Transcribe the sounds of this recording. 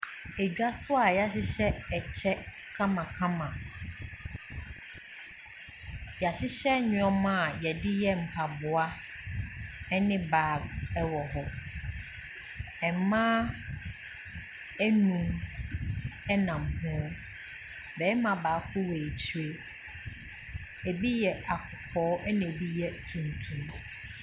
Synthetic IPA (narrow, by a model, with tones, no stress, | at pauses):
e˨d͡ʑᶣa˦sʊ˦a˨ja˦ɕɪ˦ɕɛ˦ɛ˨t͡ɕʰɛ˦ | kʰã˦mã˨kʰã˦mã˨ | ja˨ɕɪ˦ɕɛ˦ɲʊ̃˨ɔ˦mã˦˨jɛ˨dɪ˦jɛ˦m̩˨pʰa˨bʊ˨a˦ | ɛ˦nɪ̃˦baː˨˦˨ɛ˦wɔ˨ɦɔ˨ | ɛ˨˦mãː˦ | æ˦nũ˨m | ɛ˦nã˨m˨hʊ̃˦ɔ˦ | bɛː˨˦mã˨baː˨˦kʰʊ˦wɛ˨t͡ɕʰɥe˦ | e˨bi˦jɛ˨ʔa˨kʰʊ˨pʰɔː˨˦ʔɛ˦nɪ̃˨e˨bi˦jɛ˨tʰũ˨ntʰũ˦m